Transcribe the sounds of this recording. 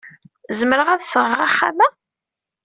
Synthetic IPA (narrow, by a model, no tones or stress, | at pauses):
zəməɾəʁæðsəʁəʁaχːa̰mæ